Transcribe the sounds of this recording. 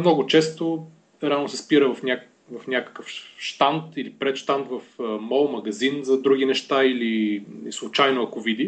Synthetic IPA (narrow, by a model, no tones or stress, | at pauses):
mnɔɡʊt͡ʃɛst̪o | ɾʲalnosɛspiɾəvɐfnʲa | vɐfnʲakə̥kəfʃt̪ant̪ilipɾɛt̪ʃt̪ant̪vɐfəmɔlˠmɐɡɐzinzɐd̪ɾuɡinɛʃt̪ailiislˠʊt͡ʃajnoɐkovid̪i